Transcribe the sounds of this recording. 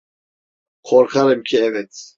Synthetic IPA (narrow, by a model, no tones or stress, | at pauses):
qʰɔɾχaɾɛmkʰiɛvɛt̪ʰ